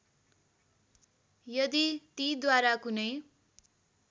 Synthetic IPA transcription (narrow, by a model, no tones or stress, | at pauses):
jʌd̪it̪id̪waɾakunʌj